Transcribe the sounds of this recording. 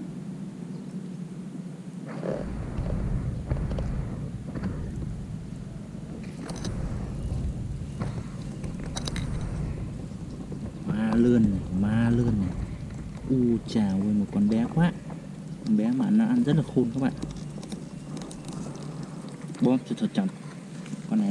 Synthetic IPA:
maː˧lə˧˩n˨maː˧ləː˧n˨ | ʔu˧˩t͡ɕaː˨˩wə˧˨mɔ˨˩kɔ˧˨nɓɛ˧˦kwaː˧˥˨ʔ | kɔ˧˨nɓɛ˧˦maː˨naː˧ʔa˧˨nzə˦˥t̚la˨˩xo˧˨nkʰɔ˧˥pʔa̰˧˨ | ɓɔ˧˦tu˧˩t̪ʰɔ˨˧˩t͡ɕɔ˨˩t̚ | kɔ˧˨na˨

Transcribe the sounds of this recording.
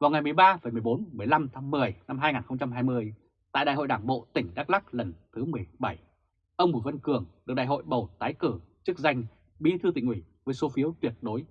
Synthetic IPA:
vaː˨˩wŋa˨˩jmɨ˨˩əjɓaː˧və˨˩jmɨ˨˩əjɓo˨˦nmɨ˨˩əjla˧mt̪ʰaː˨˦ŋmɨ˨˩əjna˧mɦaː˧jŋaː˨˩nxə˧ŋ͡mt͡ɕa˧mɦaː˧jmɨ˧əj | t̪a̰ː˧˨ja̰ː˧˨ho̰˧˨jɗaː˧˩ŋɓo̰˧˨t̪ï˧˩ŋ̟ɗaː˦˥k̚la˦˥k̚lə˨˩nt̪ʰɨ˨˦mɨ˨˩əjɓa˧˩j | ʔə˧wŋ͡mmu˧˩və˧nkɨ˧˩əŋɗɨ˨˩k̚ɗa̰ː˧˨jɦo̰˧˨jɓə˨˩wt̪aː˨˦jkɨ˧˩t͡ɕɨ˦˥k̚za˧jŋ̟ | ɓi˧t̪ʰɨ˧t̪ḭ˧˨ʔwi˧˩vəː˨˦jso˨˦fi˨˦əwt̪wi˧˩ət̚ɗo˨˦j

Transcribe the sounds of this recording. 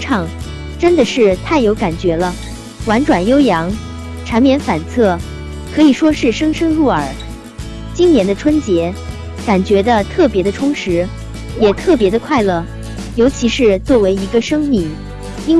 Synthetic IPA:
ʈ͡ʂʰɑ˥˩ŋ | ʈ͡ʂə˥nd̪ə˨ʂɻ̩˥˧t̪ʰa˥˩ɪjo˧˥ʊka˨˩nt͡ɕɥɛ˧˥lə˧ | wa˧˥nʈ͡ʂwa˨˩njo˥ʊjɑ˧˥ŋ | ʈ͡ʂʰɑ˧˥ŋmjɛ˧˥nfa˨˩nt͡sʰɤ˥˩ | kʰɤ˧˥i˨˩ʂwɔ˥ʂɻ̩˥˩ʂɤ˥ŋʂɤ˥ŋɻu˥˩ə˞˨˩˦ | t͡ɕi˥ŋnjɛ˧˥nd̪ə˧ʈ͡ʂʰwə˥nt͡ɕjɛ˧˥ | ka˨˩nt͡ɕɥɛ˧˥d̪ə˧t̪ʰɤ˥˩pjɛ˧˥d̪ə˧ʈ͡ʂʰʊ˥ŋʂɻ̩˧˥ | jɛ˨˩t̪ʰɤ˥˩pjɛ˧˥d̪ə˧kʰwa˥˧ɪlɤ˥˩ | jo˧˥ʊt͡ɕʰi˧˥ʂɻ̩˥˧t͡swɔ˥˩we˧˥ɪi˧˥ɡə˧ʂɤ˥ŋmi˥˩ŋ | i˥n

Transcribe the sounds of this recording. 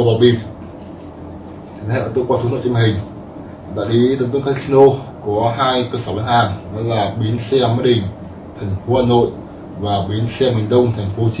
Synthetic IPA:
va˨˩ɓi˧˩ | t͡ɕ̪ʰnha̰˧˨ə˧˩t̪o˧jkwaː˧˩su˨˦no̰˧˨t͡ɕːm˨˩ɦï˨˩ŋ̟˨˩ | t̪a̰ː˧˨jɗi˨˦t̪ə˨˦ŋt̪wə˧ŋkʰa˧si˧no˧kɔ˨˦ɦaː˧jkəː˧səː˧˩ɓa̰˧˥nhaː˨˩ŋnɔ˨˦laː˨˩ɓi˨˦ənsɛ˧maː˨˦˥ɗï˨˩ŋ̟ | t̪ʰɛ˨˩ŋ̟fo˨˦haː˧˩no̰˧˨j | vaː˨˩ɓi˨˦ənsɛ˧mï˨˩ŋ̟ɗə˧wŋ͡mt̪ʰɛ˨˩jŋ̟fo˨˦t͡ɕi˨˦

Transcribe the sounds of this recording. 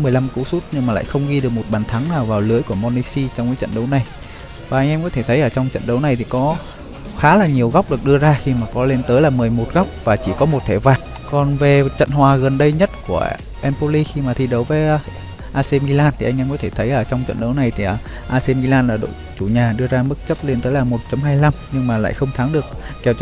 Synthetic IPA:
mɨ˨˩əjla˧mkṵ˧˥su˦˥t̚ɲɨ˧ŋmaː˨˩la̰ː˧˨jxə˧wŋ͡mɣi˧ɗɨ˨˩ək̚mo˨˩t̚ɓaː˨˩nt̪ʰa˨˦ŋnaː˨˩wvaː˨˩wlɨ˨˦əjku˧˩əmɔ˧nːi˧si˧t͡ɕɔ˧wŋ͡mkaː˨˦jt͡ɕə̰˧˨nɗə˨˦wna˨˩j | vaː˨˩ʔa˧ŋʔɛ˧mkɔ˨˦t̪ʰe˧˩t̪ʰə˨˦jʔəː˧˩t͡ɕɔ˧wŋ͡mt͡ɕə̰˧˨nɗə˨˦wna˨˩jt̪ʰi˨˩kɔ˨˦ | xaː˨˦laː˨˩ɲi˨˩əwɣa˦˥wk͡p̚ɗɨ˨˩ək̚ɗɨ˧əzaː˧xi˧maː˨˩kɔ˨˦le˧nt̪əː˨˦jlaː˨˩mɨ˨˩əjmo˨˩t̚ɣa˦˥wk͡p̚vaː˨˩t͡ɕi˧˩kɔ˨˦mo˨˩t̚t̪ʰɛ˧˩vaː˨˩t̚ | kɔ˨˩nve˨˩t͡ɕə̰˧˨nhwaː˨˩ɣə˨˩nɗə˧jɲə˦˥t̚ku˧˩ə | ʔɛ˧mpo˧li˧xi˧maː˨˩t̪ʰi˨˩ɗə˨˦wvəː˨˦jʔ | ʔaː˧se˧mi˧laː˧nt̪ʰi˨˩ʔa˧ŋʔɛ˧mkɔ˨˦t̪ʰe˧˩t̪ʰə˨˦jʔəː˧˩t͡ɕɔ˧wŋ͡mt͡ɕə̰˧˨nɗə˨˦wna˨˩jt̪ʰi˨˩ʔəː˧˩ʔaː˧se˧mi˧laː˧nlaː˨˩ɗo̰˧˨ | t͡ɕu˧˩ɲaː˨˩ɗɨ˧əzaː˧mɨ˦˥k̚t͡ɕə˦˥p̚le˧nt̪əː˨˦jlaː˨˩mo˨˩t̚t͡ɕɔ˨˧˦mɦaː˧jla˧mɲɨ˧ŋmaː˨˩la̰ː˧˨jxə˧wŋ͡mt̪ʰaː˨˦ŋɗɨ˨˩ək̚ːɛ˨˧˩w

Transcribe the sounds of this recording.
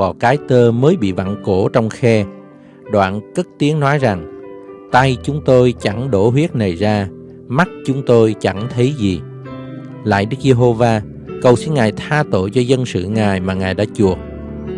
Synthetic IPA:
ɔ˨˩kaː˨˦jt̪əː˧məː˨˦jɓḭ˧˨va̰˧˨nko˧˩t͡ɕɔ˧wŋ͡mxɛ˧ | ɗwa̰ː˧˨nkə˦˥t̚t̪i˨˦əŋnɔ˨˦jza˨˩ŋt̪a˧jt͡ɕʊ˨˦ŋ͡mt̪o˧jt͡ɕa˧˩ŋɗo˧˩hwi˦˥ət̚na˨˩jzaː˧ | ma˦˥t̚t͡ɕʊ˨˦ŋ͡mt̪o˧jt͡ɕa˧˩ŋt̪ʰə˨˦jzi˨˩ | la̰ː˧˨jɗɨ˦˥k̚ze˧ɦo˧vaː˧ | kə˨˩wsi˧nŋaː˨˩jt̪ʰaː˧t̪o̰˧˨jt͡ɕɔ˧zə˧nsɨ̰˧˨ŋaː˨˩jmaː˨˩ŋaː˨˩jɗa̰ː˧˥t͡ɕu˨˩ək̚

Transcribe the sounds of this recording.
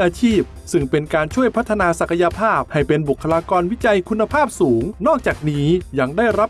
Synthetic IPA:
ʔaː˧t͡ɕʰiː˥˩p̚sɯ˥˩ŋpe˧nkaː˧nt͡ɕʰu˥˩əjpʰa˦˥t̪ʰːa˧naː˧sa˨˩kʰa˧ja˧pʰaː˥˩p̚ha˥˩jpe˧nbu˨˩kʰːa˧laː˧kɔː˧nwi˦˥t͡ɕa˧jkʰu˧nːa˧pʰaː˥˩p̚suː˩˦ŋnɔː˥˩k̚t͡ɕaː˨˩k̚niː˦˥ja˧ŋdaː˥˩jɾa˦˥p̚

